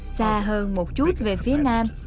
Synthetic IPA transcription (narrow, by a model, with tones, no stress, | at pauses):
saː˧ɦəː˧nmo˨˩t̚t͡ɕu˦˥t̚ve˨˩fi˨˦ənaː˧m